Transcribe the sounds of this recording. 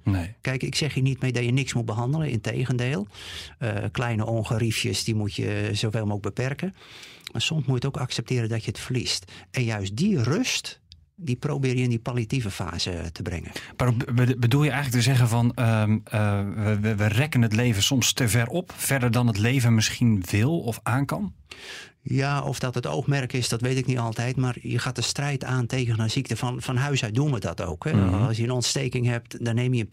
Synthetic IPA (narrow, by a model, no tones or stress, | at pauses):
nekɛjkɪksɛxjənitmedɔjənɪksmut̚bəɦɑndələɪ̰ntḛjɣəndeːlˠəklɛjnəʔoːnɣərifjəsdimutjə̰zowvɪlˠmoɡ̚bəpɛrkəmasomsmujətokaksɛp̚tɪːɾəndɔtjəətflistɛnjœɥs̚dirøst | diprowbɪːrjəɪndipaljativəfa̰ːz̥ətʰəbrɪ̰ŋə̰nparobədulˠjəɛjəŋləktəzɛɣənvɔnə | əəʋərɛkənət̬leːvəsɔmstəvɛrɔpfɛrdərdɔnətleːvənmɪsχinʋɪlˠɔfaːnkɑn | jaʔɔ̰fdɔtəto̰ːxmɛrkɪsdɔtʋejtɪknitɔlˠtɛjtmarjə̰xaːt̚dəstrɛjtʰaːntʰeːɣənasik̚təfɔnfɔnɦœɥsœɥt̚duənʋədɔ̰to̰ːkʰhɛɑlˠsjəənɔntsteːkɪŋhɛp̚tdɔnːeːmjə